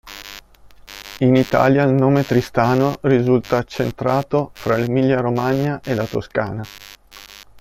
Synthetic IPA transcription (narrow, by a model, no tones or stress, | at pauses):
init̪a̰ːljailnoːmet̪ɾist̪aːnorizult̪aːt͡ʃːent̪ɾaːt̪ofɾalemiljaɾomaɲːaʔelat̪oska̰ːna